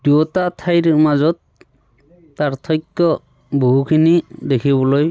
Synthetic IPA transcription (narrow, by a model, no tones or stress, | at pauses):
dɔtatʰajɾɯmazɔt̪̚ | aɾt̪ʰɔjkːɔ | buɦukʰinid̪ekʰiβɔlɔj